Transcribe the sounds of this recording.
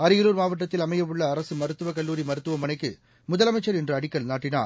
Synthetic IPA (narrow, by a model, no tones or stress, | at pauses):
ɐɾɪjɐɾuːɾmaːʋɐʈːɐt̪ːɪlɐmɐjɐʋɯɭːɐːɾɐsɯmɐɾɯt̪ːɯʋɐkɐlːuːɾimɐɾɯt̪ːɯʋɐmɐnɐɪkːɯ | mʊðɐlɐmɐɪt͡ʃːɐɾɛndrɐɐɽɪkːɐɭnaːʈːɪna̰ːɾ